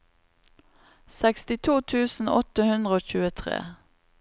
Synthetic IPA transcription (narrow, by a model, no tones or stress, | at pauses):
sɛkst̪ɪt̪ʰuːt̪ʰʉːsn̩ɔt̪əhʉnd̪ʁəoːçʉːət̪ʰʁḛː